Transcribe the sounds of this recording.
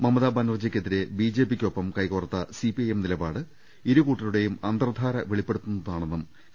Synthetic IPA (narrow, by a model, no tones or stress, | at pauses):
mɐmːɐðaːbɐnɐrd͡ʑɐkʲːe̞ðiɾe̞biːd͡ʑe̞ːpikʲːo̞pːɐmkɐjkoːrɐt̪ːɐsipiɐjemnilɐbaːɽɨ | iɾukuːʈːɐluɽe̞jumɐnd̪ɐrd̪ʱaːɾɐʋeɭipːe̞ɽut̪ːunːɐðaːɳe̞nːum